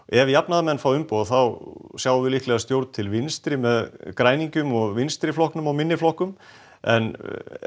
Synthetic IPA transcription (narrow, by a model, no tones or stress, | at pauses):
ɛvjapnaðamɛnːfawʏmpoðθawsjaːwvʏɪlihklɛɣast̪jowɾt̪̚t̪ʰɪlvɪnst̪ɾɪmɛðkɾaːjniɲcʏmɔɣvɪnst̪ɾɪflɔhknʏmawmɪnːɪflɔhkʏm | ɛ̰n